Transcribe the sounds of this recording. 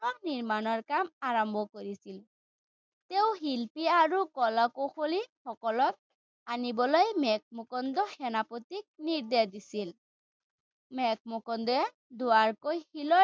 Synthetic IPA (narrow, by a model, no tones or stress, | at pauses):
ɔk̚niɹmanɔɹkamaɹɔmbʱɔkoɹisil | teʊɦilpiaɹukɔlakoxolixɔkɔlɔt̪̚ | anibɔlojmɛk̚mɔkɔndɔxɛnapotik̚niɹd̪ɛdisil | mɛk̚mɔkɔndɔɛ | dʊaɹkojxilɔ